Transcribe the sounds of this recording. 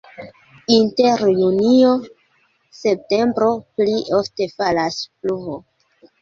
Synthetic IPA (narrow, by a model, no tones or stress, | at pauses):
inte̞ɾjunio | se̞p̚te̞mbɾo̞pliʔofte̞falaspluvo